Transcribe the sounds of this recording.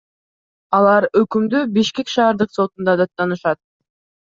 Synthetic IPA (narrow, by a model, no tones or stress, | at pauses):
ɑlˠɑɾøkymd̪ybiʃke̞kʃɑːɾd̪ɯqso̞t̪und̪ɑd̪ɑt̪ːɑnɯʃɑt̪̚